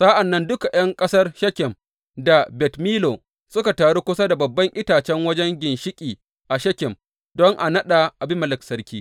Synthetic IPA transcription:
sa˦ʔa˨nːɐ˦ndʊ˦ka˨j̰ɐ˦ŋkʼɐ˦sɐ˦rʃɐ˦kʲɪ˨m | da˨bɛ˨tmiː˦lo˨ | sʊ˦ka˨taː˨ɽo˦kʷʊ˦sa˦da˨bɐ˨bːɐ˦ŋʔɪ˦taː˨t͡ʃɛ˦ŋwɐ˦d͡ʒɛ˦ŋɡʲɪ˨nʃɪ˦kʲʼiː˨ | ʔa˨ʃɐ˦kʲɪ˨m | dɔ˦ŋʔa̰˨nɐ˦ɗa˨ʔa˨bɪ˦mɐ˨lɪ˨ksɐ˦ɾkʲiː˦

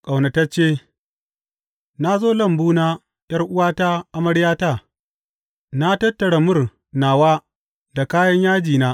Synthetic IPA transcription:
kʼa˨wna˨ta˦t͡ʃeː˦˨ | na˦zoː˦lɐ˦˨mbuː˦naː˦ | j̰ɐ˦rʔʊ˦waː˦ta˦ʔa˦mɐ˦ɽjaː˦ta˦˨ | na˦tɐ˦tːɐ˨ɽa˨mʊ˦r | naː˨waː˦ | da˨kaː˦jɐ˦ɲjaː˦d͡ʒiː˨naː˦

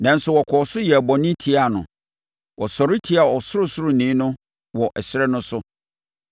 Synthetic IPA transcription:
nã˨n̩˦sʊ˨wɔ˨kʰɔː˨sʊ˦jɛ˨æ˨bɔ˨nɪ̃˦tʰi˦a˦˨nʊ̰̃˨ | wʔɔ˨sɔ˨ɾɪ˦tʰi˨˦a˨ɔ˨sʊ˦ɾʊ˦sʊ˦ɾʊ˨nĩ˨˦nʊ̃˦ | wɔ˨ʔɛ˨ɕɪ˦ɾɛ˦nʊ̃˦sʊ˦

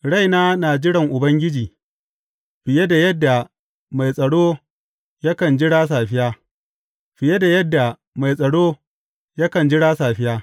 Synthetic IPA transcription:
ɽa˦˨jnaː˦naː˨d͡ʒɪ˦ɽɐ˨ŋʔʊ˨bɐ˦ŋɡʲɪ˦d͡ʒiː˨ | ɸɪ˨je˦da˨jɐ˦dːa˨ | ma˨jsʼɐ˨ɽoː˦ | ja˦kɐ˨nd͡ʒɪ˦ɽaː˦s̬aː˨ɸɪ˦jaː˦ | ɸɪ˨je˦da˨jɐ˦dːa˨ | ma˨jsʼɐ˨ɽoː˦ | ja˦kɐ˨nd͡ʒɪ˦ɽaː˦saː˨ɸɪ˦jaː˦

